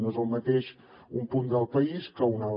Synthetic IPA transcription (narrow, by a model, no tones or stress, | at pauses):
noezəlˠmət̪eʃ | umpund̪əlˠpəiskəuna